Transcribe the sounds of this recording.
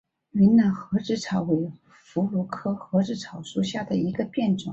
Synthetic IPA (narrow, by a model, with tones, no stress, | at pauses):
y˧˥nna˨˩nxɤ˧˥ʈ͡ʂɻ̩˧˥ʈ͡ʂʰɑ˨˩ʊwe˧˥ɪ | fu˧˥lu˧˥kʰɤ˥xɤ˧˥ʈ͡ʂɻ̩˥ʈ͡ʂʰɑ˨˩ʊʂu˥˧ɕja˥˩d̪ə˩i˧˥ɡə˧pjɛ˥˩nʈ͡ʂʊ˨˩˦ŋ